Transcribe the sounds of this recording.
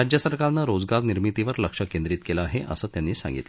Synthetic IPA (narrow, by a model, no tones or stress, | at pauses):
ad͡ʑjəsəɾkaɾnaɾod͡zɡaɾniɾmit̪iʋəɾləkʂəkend̪ɾit̪kelaːɦeʔə̰səːt̪janːiːsã̰ŋɡḭt̪